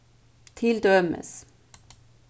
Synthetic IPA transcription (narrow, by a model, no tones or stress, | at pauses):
t̪ʰɪld̪œmə̰s